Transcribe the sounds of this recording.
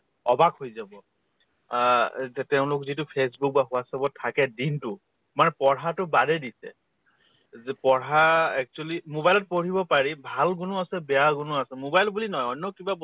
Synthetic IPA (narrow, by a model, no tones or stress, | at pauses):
ɔbakhojzabɔ | tɛʊ̃lʊkzitʊpʰesbuk̚baxʊasabɔtʰakɛdintʊ | manɛpɔɹɦatʊbadɛdisɛ̰ | pɔɹaɛk̚t͡ʃualimobajlɔt̚poɹibɔpaɹibʱalɡʊnʊasɛbɛjaɡʊnʊasɛmobajlbulinɔjɔnjɔkiba